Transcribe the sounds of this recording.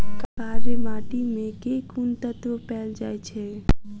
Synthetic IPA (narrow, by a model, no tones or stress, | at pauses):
kəkaːɾemaːʈimẽkekunt̪ət̪opɛːld͡ʒaːet͡ʃʰe